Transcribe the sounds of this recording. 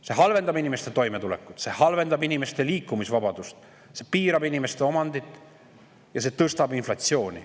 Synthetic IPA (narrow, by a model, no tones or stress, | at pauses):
se̞ɦɑlve̞nd̪̥ɑbinime̞st̪e̞t̪o̞jme̞t̪ulekːˑu̥t̪sehɑlve̞nd̪ɑbinime̞st̪e̞liːkːˑumisvɑbɑd̪̥ust̪ | se̞piːɾɑbinime̞st̪e̞o̞mɑnd̪it̪ːˑ | jɑse̞ːt̪ɤst̪ɑbinflɑt̪sjo̞ːnʲḭ